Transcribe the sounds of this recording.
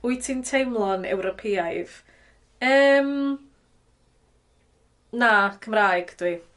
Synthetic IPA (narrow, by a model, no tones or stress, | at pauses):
ʊɨtʰintʰejmlˠɔnɛ̰wɾɔpʰiːajv̥ | əːm | nakʰəmraːjɡ̥d̥wi